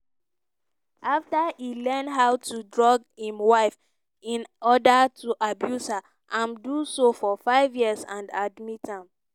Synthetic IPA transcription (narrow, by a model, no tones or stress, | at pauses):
ʔaftailɛ̃nɦaʊtudɹɔɡhĩmwaɪf | ĩnɔdatuʔabjusha | ʔãmdusofɔfaɪvjiəsã̰ndadmitãm